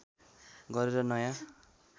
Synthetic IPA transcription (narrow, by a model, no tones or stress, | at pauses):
ɡʌɾeɾʌnʌjã